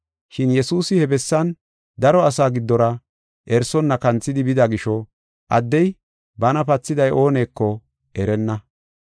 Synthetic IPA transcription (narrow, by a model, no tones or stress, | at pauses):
ʃɪnjɛsuːsɪhɛbɛsːɐn | d̪ɐɾɔɐsaːɡɪd̪ːɔɾɐ | ʔɛɾsɔnːɐkɐnt͡sːɪd̪ɪbɪd̪ɐɡɪʃɔ | ʔɐ̰d̪ːɛj | bɐnɐpɐt͡sːɪd̪ɐjʔo̞ːne̞ːkːɔ | ʔɛɾɛnːɐ